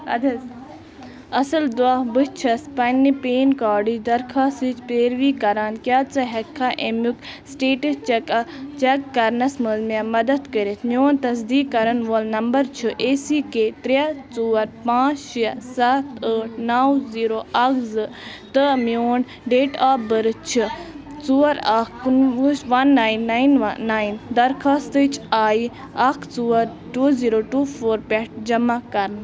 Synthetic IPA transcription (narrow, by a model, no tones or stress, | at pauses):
ɐd̪ɐ | ɐsɨld̪abɨt͡ʃʰɐspɐnːipeːnkaːɖid̪ɐɾkʰaːsit͡ʃpeːɾʋiːkɐɾaːnkjaːt͡sɨɦɐkʰːaːʔemuk | sʈeːʈɐst͡ʃkt͡ʃɐkːɐɾnɐsməzmijamɐd̪ɐt̪kəɾet̪ʰmjoːnt̪ɐsd̪iːkːɐɾɐnʋoːlnɐmbɐɾt͡ʃʰɨʔesiːkeːt̪ɾjat͡suːɐɾpãːt͡ʃʃɐsat̪əːʈ̚naːwziːɾoːɐkzɨ | t̪ɨmijoːn | ɖeːʈaːbəɾɨt͡ʃʰɨ | t͡suɐɾɐknuʃʋɐnːaːjnːaːjnːaːind̪ɐɾkaːst̪ɨt͡ʃʰaːi | ɐkʰt͡suːɐɾ | ʈuːziːɾoʈuːfʰoːɾpɛʈ̚d͡ʒɐmakɐɾn